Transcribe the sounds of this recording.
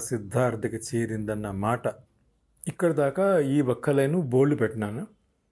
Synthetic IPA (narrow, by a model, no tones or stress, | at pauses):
sid̪ʱːaːɾd̪ɐkɐt͡ʃiːɾind̪ɐnːɐmaːʈɐ | ikːɐɽɐd̪aːkɐiːʋɐkʰːɐlɐjnuboːɭipeʈnaːnu